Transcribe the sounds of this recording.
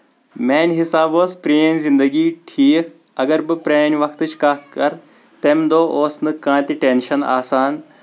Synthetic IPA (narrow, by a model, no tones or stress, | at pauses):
meːnʲɦisaːboːspɾijenzind̪ɐɡiːʈʰiːkʰ | ɐɡɐɾbɨpɾeːnʲʋɐkʰt̪ɨt͡ʃʰkat̪̚ʰkɐɾ | t̪emd̪oːʔoːsnɨkãːt̪iʈenʃɐna̰ːsaːn